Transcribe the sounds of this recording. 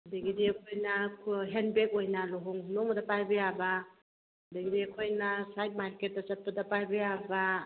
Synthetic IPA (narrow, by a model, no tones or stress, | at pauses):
ɐdɐɡidiɐkʰojnɐɦenbek̚ojnɐloɦoŋnomɐdɐpajbɐjabɐ | ɐdɐɡidiɐkʰojnɐsajt̚maɾket̚ːɐt͡ʃɐt̚pɐdɐpajbɐjabɐ